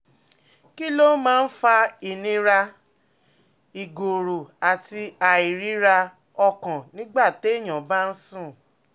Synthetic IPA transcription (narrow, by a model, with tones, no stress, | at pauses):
ki˦lo˦mãː˦n̩˦fa˧i˨nĩ˧ɾa˧ | i˨ɡo˨ɾo˨a˨ti˧a˨i˨ɾi˨˦ɾa˧ | ɔ˧kã˨nĩ˦ɡ͡ba˦˨te˦i˦˨j̃ã˨ba˦n̩˦sũ˦˨